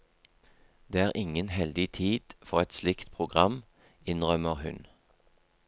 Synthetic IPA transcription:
d̪̥eːæːʁʔɪŋənhɛld̪ɪt̪ʰiːd̪̥fɔʁɛt̪slɪkt̪pʰʁʊɡʁɑm | ɪnʁœməʁhʉn

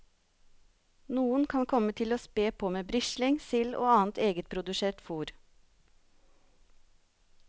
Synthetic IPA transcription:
nuːənkʰɑnkʰɔmət̪ʰɪloːspeːpʰoːmeːbɾɪʃlɪŋsɪlʔo̰ːɑːn̩t̪ʰeːɡət̪̚pʰɾʊd̪ʉseːʈfuːɾ

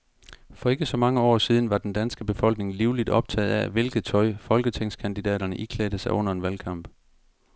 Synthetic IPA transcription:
fɒ̽e̝ɡ̥əsɒ̽mɑ̈ŋəɒ̰ːsiːð̞ˠn̩ʋɑ̈d̥end̥ænsɡ̥əb̥e̝fɒ̽l̰ɡ̥ne̝ŋliʊlid̥ɒ̽b̥t͡sʰɛ̰ːð̩ˠæʋe̝lɡ̥ð̩ˠt͡sʰɒ̽ɪfɒ̽lɡ̥ət͡sʰeŋ̰skʰænd̥id̥ɛ̰ːɾ̥ɐnəʔikʰlɛ̰ːd̥əsɑ̈ɪɔ̽n̰ɐe̝nʋælkʰɑ̈m̰b̥

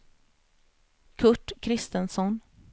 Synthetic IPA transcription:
kʰɵʈːkʰɾɪst̪ənsɔn

